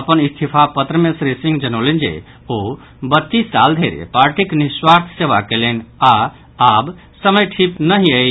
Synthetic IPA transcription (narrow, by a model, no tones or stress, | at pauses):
əpənist̪ʰipʰapət̪ɾəmesɾesĩŋɡd͡ʒənolend͡ʒḛ | o | bət̪ːisːa̰ld̪ʱeɾḛpaɾʈikniswaɾt̪ʰseʋakelena | ab | səməjʈʰipnəɦiə